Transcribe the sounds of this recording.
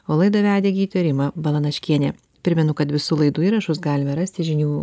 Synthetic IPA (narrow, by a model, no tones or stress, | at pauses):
oːlˠɐɪd̪ɐʋʲæːd̪ʲeːɡʲɪːt̪ʲʋʲeɾʲɪmɐbɐlˠɐnɐʃʲkʲiɛnʲeː | pʲɾʲɪmʲɛnʊkɐt̪ʋʲɪsuːlˠɐɪd̪uːiːɾɐʃʊsɡɑːlʲɪmɐɾɐsʲt̪ʲɪʒʲɪnʲuː